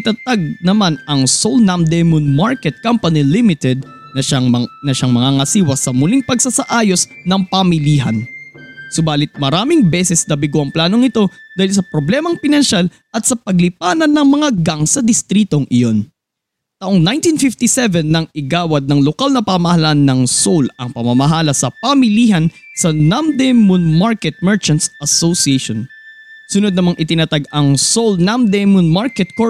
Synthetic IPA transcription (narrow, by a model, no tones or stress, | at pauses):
ɪt̪ɐt̪aɡ̚nɐmanɐŋsolnamd̪ɛmʊnmaɹkɛt̪̚kampɐnilimɪt̪ɛd̪̚ | nɐʃanɐʃaŋmɐŋaŋɐsiːwɐsɐmʊliŋpɐɡsasɐʔaːjo̞snɐŋpɐmɪliːɦɐ̰nsʊbaːlɪt̪̚mɐɾaːmɪŋbɛsɛsnɐbɪɡʊɐŋplaːno̞ŋɪt̪o̞d̪aːhɪlsɐpɾoblɛmɐŋpɪnɐnʃal | ʔɐt̪̚sɐpɐɡlɪpaːnɐnːɐŋmɐŋaɡaŋsɐd̪ɪst̪ɾiːt̪o̞ŋʔɪjo̞n | t̪ɐʔoŋnajnt̪infɪft̪isɛvɛnːɐŋɪɡaːwɐd̪̚nɐŋlokalnɐpamɐhɐlanːɐŋsolɐŋpɐmɐmɐɦaːlɐsɐpɐmɪliːhɐnsɐnamd̪ɛmunmaɹkɛt̪̚mɛɹt͡ʃɐnt̪sʔɐsosieʃon | sʊnod̪̚nɐmaŋʔɪt̪ɪnɐt̪aɡɐŋsolnamd̪ɛmʊnmaɹkɛt̪̚ko